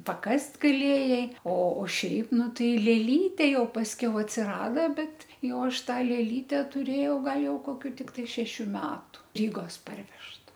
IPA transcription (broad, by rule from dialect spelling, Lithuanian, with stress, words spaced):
pɐˈkɐsʲtʲ ɡɐˈlʲeːjɛɪ oː oː ˈʃʲɛɪp ˈnʊ ˈtɐɪ lʲeːˈlʲiːtʲeː jɛʊ pɐsʲˈkʲɛʊ ɐtʲsʲɪˈrɑːdɐ ˈbʲɛt ˈjɛʊ ˈɐʃ ˈtɑː lʲeːˈlʲiːtʲɛ tʊˈrʲeːjɛʊ ˈɡɐlˠ ˈjɛʊ koːˈkʲuː tʲɪkˈtɐɪ ʃʲɛˈʃʲuː ˈmʲæːtʊ ˈrʲiːɡoːs ˈpɐrʲʋʲɛʃtɐ